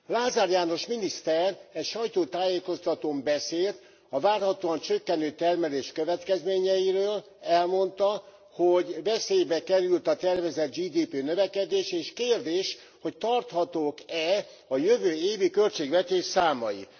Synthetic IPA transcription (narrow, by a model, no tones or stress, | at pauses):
laːzaɾjaːno̞ʃminist̪ɛrɛcʃɒjt̪oːt̪aːjeːko̞st̪ɒt̪oːmbɛseːlt̪ | ɒvaːrhɒt̪oːɒnt͡ʃøkːɛnøːt̪ɛrmɛleːʃkøvɛt̪kɛzmeːɲɛjiɾøːl | ɛlmo̞nt̪ɒ | hoɟvɛseːjbɛkɛɾylt̪ɒt̪ɛrvɛzɛd̪̚d͡ʒiːd̪iːpeːnøvɛkɛd̪eːʃeːʃkeːrd̪eːʃ | ho̞ct̪ɒrt̪hɒt̪oːkɛ | ɒjøvøːeːvikø̞lt͡ʃeːɡvɛt̪eːʃsaːmɒjḭ